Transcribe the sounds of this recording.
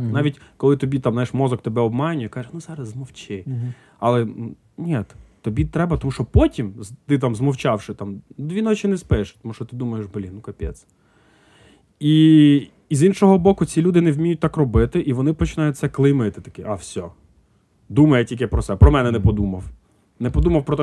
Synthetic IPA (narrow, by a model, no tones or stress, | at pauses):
nɑʋʲitʲkɔlˠɪt̪ɔbʲit̪ɑmnjʃmɔzɔkt̪ebɛɔbmɑjnʲʊjɛkɑʒɛnuzɑɾɐzzmɔwt͡ʃɪ | ɐlˠɛ | nʲɛt̪t̪ːɔbʲit̪ɾɛbɐt̪ɔmuʃɔpɔtʲimzt̪ɪt̪̬ɑmzmɔwt͡ʃɑwʃɪt̪ɑmd̪ʋʲinɔt͡ʃɪnɛspɪʃt̪ɔmuʃt͡ʃɔt̪ɪd̪umɐjeʃblʲinukɐpʲɛ̰s | iː | zinʃɔɦɔbɔkʊt͡sʲilʲud̪ɪnewmʲijʊt̚ʲt̪ɑkrɔbɪt̪ɪʔiʋɔnɪpɔt͡ʃɪnɑjʊt̪̚ʲsɛklˠɪjmɪt̪ɪt̪ɐkɪʔafsʲɔ | d̪umɐjɛtʲilʲkɪpɾɔtsɛpɾɔmɛnɛnɛpɔd̪umɐw | nɛpɔd̪umɐwpɾɔt̪ɛ